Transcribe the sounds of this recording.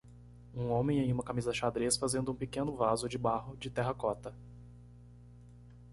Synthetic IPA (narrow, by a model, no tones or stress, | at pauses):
ũõmẽj̃ẽj̃ũmɐkamizɐʃad̪ɾesfazẽnd̪ʊũpikẽnʊvazʊd͡ʒɪbaɦʊd͡ʒɪt̪ɛɦɐkɔt̪ɐ